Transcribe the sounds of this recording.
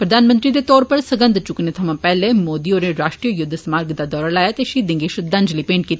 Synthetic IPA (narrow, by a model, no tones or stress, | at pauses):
pɾəd̪aːnmə̃nt̪ɾiːd̪eːt̪ɔːɾpəɾsəɡə̃nd̪t͡ʃʊkneːt̪ʰəmãːpɛːleːmoːd̪iːoːɾeɾaːʃʈɾiːəjʊd̪ʱːsmaːɾɡd̪aːd̪ɔːɾalaːjaːt̪eʃiːd̪ɪ̃ŋɡiːʃʊd̪ə̃ɲd͡ʒliːpeːɳʈkiːt̪aː